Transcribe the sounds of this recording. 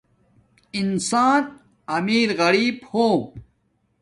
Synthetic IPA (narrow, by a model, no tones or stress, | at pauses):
insaːn | ɐmiːɾɣɐɾiːbhoːm